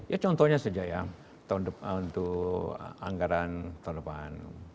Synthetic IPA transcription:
jat͡ʃɔnt̪ɔɲasəd͡ʒaʔja | t̪aundəpunt̪uʔ | a̰ŋɡaɾant̪aundəpa̰n

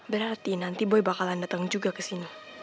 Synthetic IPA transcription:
bəɾart̪inant̪ibɔjbakalandat̪aŋd͡ʒuɡakəsini

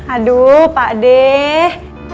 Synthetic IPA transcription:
adupaʔdɛh

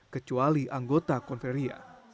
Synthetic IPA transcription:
kət͡ʃualiʔaŋɡot̪akɔnfeɾia̰

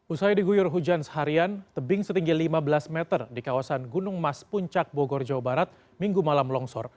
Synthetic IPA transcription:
usajdiɡujʊrɦud͡ʒansə̥ɦaɾiant̪əbɪŋsət̪iŋɡilimabəlasmɛt̪ərdikawasanɡunʊŋmaspuɲt͡ʃak̚bɔɡɔrd͡ʒawabaɾat̪̚ | miŋɡumalamlɔŋsɔr

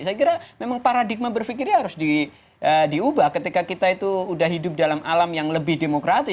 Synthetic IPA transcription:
sajakiɾamemaŋpaɾadik̚mabərfikɪɾɦaɾʊsdi | ʔədiubahkət̪ikakit̪ait̪uːdahɦidʊp̚dalamʔalamjaŋləbɪhdemokɾat̪ɪ

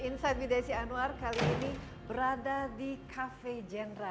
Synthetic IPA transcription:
insajd̚vidasianuarkaliːni | bəɾadadikʰafed͡ʒɛnɾa

